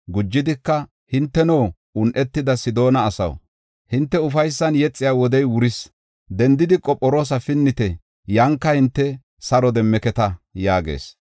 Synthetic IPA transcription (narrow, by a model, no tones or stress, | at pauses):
ɡʊd͡ʒːɪd̪ɪkːɐ | hɪnt̪ːɛnoː | ʊnʔɛt̪ːɪd̪ɐsɪd̪o̞ːnɐːsɐ̰w | hɪnt̪ːɛʊfɐjsːɐnjɛt͡sʼːɪjaːwɔd̪ɛjwʊɾɪs | d̪ɛnd̪ɪd̪ɪkʼɔpʼːɔɾo̞ːs̬ɐfɪnːɪt̪ɛ | jɐŋkːɐhɪnt̪ːɛ | sɐɾɔd̪ɛmːɛkɛt̪ɐjaːɡḛːs